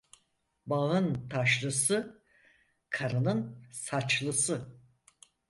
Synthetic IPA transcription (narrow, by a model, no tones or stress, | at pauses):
baɯnt̪ʰaʃlˠɯsɯ | kʰaɾanɯnsat͡ʃlˠɯsɯ